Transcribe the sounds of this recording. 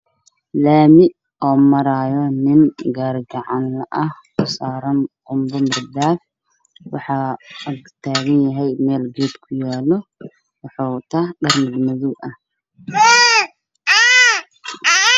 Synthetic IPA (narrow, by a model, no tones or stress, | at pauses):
laːmɪʔ | ɔːmɐɾaːjɔnɪnɡaːrɡɐʕɑnlɐʔɐhkʊsaːɾɐnʔʊmbɔmɪrd̪aːf | wɑħɑɡt̪ʰaːɣɐnjɐɦɛjmɛːlɡɛːd̪kʰʊjaːlɔ | wɑħɑːt̪ʰaːɖɐrmɪɡ̪mɐðuʔɐh